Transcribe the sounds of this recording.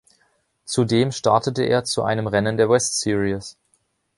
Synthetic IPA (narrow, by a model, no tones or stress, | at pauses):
t͡sudeːmʃtaɐtətəʔḛːɐt͡suʔa̰ɪnəmʁɛnəndeːɐwɛstsiʁis